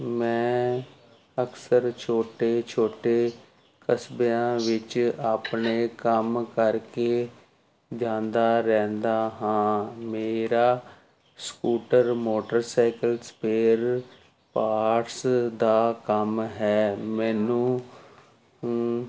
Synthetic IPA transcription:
mɛ̃ː | əksəɾt͡ʃʰoːʈeːt͡ʃʰoːʈeː | kəsbejãːʋɪt͡ʃaːpɳeːkəmkəɾkeː | d͡ʒãːnd̪aːɾɛ̃ːnd̪aːɦãːmeːɾaː | skuːʈəɾmoːʈəɾsaːɪkəlspeːɾ | paːʈsd̪aːkəmɦɛːmɛːnũː

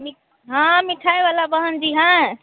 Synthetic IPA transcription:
mi | ɦãmiʈʰaeʋalabəɦənd͡ʒiɦã

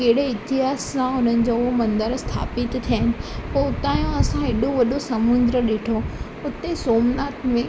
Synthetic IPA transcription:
keɦɽeɪt̪ɪɦaːsːãʊn̤ənɪ̆d͡ʑoːʊɦomɐ̃nd̪əɾst̪ʰa̰ːpɪt̪t̪ʰijaɦɪnɪ̆poʊt̪aːjõɐsãɦɪɗoʋɐɗosɐmʊ̃nd̪ɾəɗeːʈʰo | ʊt̪esoːmnaːt̪mẽ

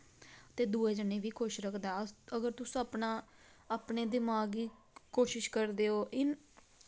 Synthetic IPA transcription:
t̪eːd̪uːeːd͡ʒəneːʋiːkoːʃɾəkʰd̪aːəɡəɾt̪ʊsəːpnaː | aːpneːd̪ɪmaːɡiː | koːʃɪʃkəɾd̪eːɦoːʔɪn

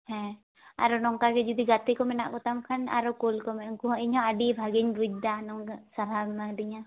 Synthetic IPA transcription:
hɛ̃ | a̰ɾɔnɔŋkaɡɛd͡ʒud̪iɡat̪ikɔmɛna̰ʔkɔt̪amkʰana̰ɾɔkulkɔmɛŋkuɦɔiɲhɔaɖibʱaɡiɲbud͡ʒ̚d̪anɔŋsaɾamadiɲa

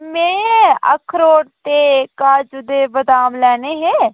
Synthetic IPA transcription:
mɛ̃ːə̰kʰːɾoːɽt̪eːkaːd͡ʒʊd̪eːbəd̪aːmlɛːneːɦɛː

